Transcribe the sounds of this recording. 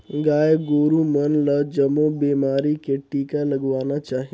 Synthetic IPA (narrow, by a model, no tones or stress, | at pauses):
ɡaːjeɡoːɾumɐnlɐd͡ʒɐmobeːmaːɾikeʈiːkalɐɡʋaːnat͡ʃaːɦi